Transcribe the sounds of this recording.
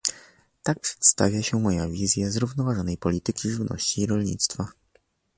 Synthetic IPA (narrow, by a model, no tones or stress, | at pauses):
t̪ak̚pʂɛ̥t̪st̪a̰vʲjaɕɛmɔjavʲizʲjazɾuvnɔvaʐɔnɛjpɔlʲit̪ɘkʲiʐɘvnɔ̰ɕt͡ɕiːɾɔlʲɲḭt̪st̪fa